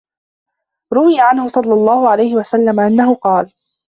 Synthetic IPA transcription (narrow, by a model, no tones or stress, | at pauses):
ɾʊwɪjaʕanhʊsˤɑlːɑlˤːɑːhʊʕalajhɪwasalːamaʔanːaɦʊqɑːl